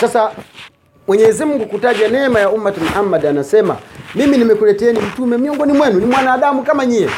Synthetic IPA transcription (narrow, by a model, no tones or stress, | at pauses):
sasa | mwɛɲɛzim̩ŋɡukutad͡ʒanɛmajaumːatamaʔamːadaːnasɛma̰miminimɛkulɛtɛnim̩tumɛm̩ɲɔŋɡɔnimwɛnunimwanaːɗamukamaɲijɛ